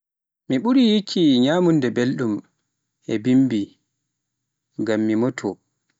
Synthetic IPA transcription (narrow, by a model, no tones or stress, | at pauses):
miɓuɾijikʰːiɲaːmundɛbelɗum | ʔɛbimbi | ɡamːimɔtʰɔ